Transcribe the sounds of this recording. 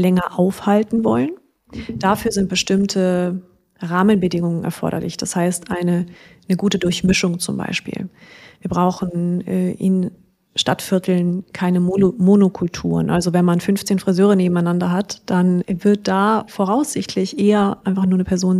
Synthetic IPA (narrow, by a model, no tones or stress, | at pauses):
lɛŋɐʔaʊfhaltn̩vɔ̰lən | d̥afyːɐzɪnt̚b̥əʃtɪmtʰə | ʁaːmənbədɪŋʊŋənʔɛ̰ɐfɔ̰ɐɾɐ̰lɪ̰çd̥ashaɪstʔaɪnənəɡuːtədʊɐçmɪʃʊŋt͡sʊmba̰ɪʃpḭːlviːɐbʁaʊxn̩ɛʔɪ̰n | ʃta̰tfɪɐtʰl̩nkʰaɪnəmonokʰʊltʰṵːʁə̰nʔalzovɛnmanfʏnft͡seːnfʁ̥izøːʁ̞əneːbm̩aɪnandɐɦatd̥anvɪɐt̚d̥aːfoːʁaʊsz̥ɪçtʰlɪçʔeːɐʔaɪnfaχnuːɐnəpʰɛɐzoːn